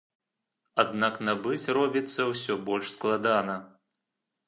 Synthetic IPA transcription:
ad̪naknabɨt͡sʲrɔbʲit̪sːɐwsʲɔbɔlʲʂsklˠad̪anɐ

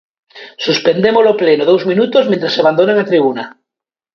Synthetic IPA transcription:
suspend̪emoloplenoðowzmĩnut̪ozmẽnt̪ɾasaβand̪onelat̪ɾiβ̞una

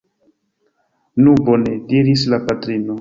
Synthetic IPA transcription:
nubo̞ne̞diɾis̬lapatɾino

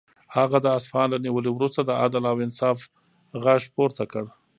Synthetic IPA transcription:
haɣad̪əasfɑnlaniwəlewɾust̪ad̪əad̪alawɪnsɑf | ɣaʐpoɾt̪akəɽ

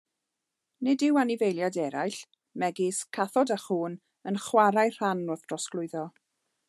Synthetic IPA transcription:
nɪdɪwanɪvejlˠjadɛɾajɬ | mɛɡɪskʰaθɔdaχuːn | ənχwaɾajr̥anʊθd̥rɔsklˠʊɨðɔ

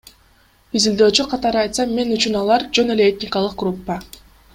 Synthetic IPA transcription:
izild̪ø̞ːt͡ʃyqʰɑt̪ɑɾɯɑjt̪sɑmːe̞nyt͡ʃynɑlˠɑɾd͡ʒø̞ne̞le̞et̪ʲnʲɪkalˠɯq̚ɡrupːə

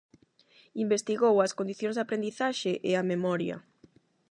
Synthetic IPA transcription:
imbest̪iɣowɐskond̪iθjõŋzðapɾend̪iθaʃeʔeamemɔɾjɐ̰

